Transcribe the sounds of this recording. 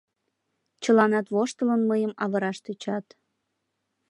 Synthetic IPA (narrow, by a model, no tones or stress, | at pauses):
t͡ɕəlɑnɑt̪βoʃt̪ələnməjəmɑβəɾɑʃt̪et͡ɕɑt̪